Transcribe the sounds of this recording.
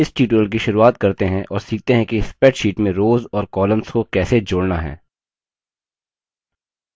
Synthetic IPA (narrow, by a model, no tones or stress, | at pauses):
ɪsʈiːʈ̬ɾəlk̬iʃʊɾuaːt̪kɐɾt̪eɦɛ̃ʔɔːɾsiːk̚t̪eɦɛ̃kispɛːʈʃiːʈmẽɾoːzɔːɾkɔːlə̃mskokɛːsed͡ʒoːɽnaɦɛ̰̃ː